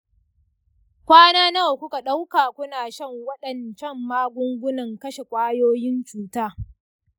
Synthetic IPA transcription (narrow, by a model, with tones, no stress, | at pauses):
kʷaː˦naː˦nɐ˦wkʷʊ˦ka˨ɗa˦wkaː˨kʷʊ˦naː˨ʃɐ˦˨ŋwɐ˦ɗɐ˨nt͡ʃɐ˦mːaː˦ɡʷʊ˦ŋɡʷʊ˦nɐ˨ŋkɐ˦ʃe˨kʷʼaː˦joː˦jɪ˦nt͡ʃuː˨taː˦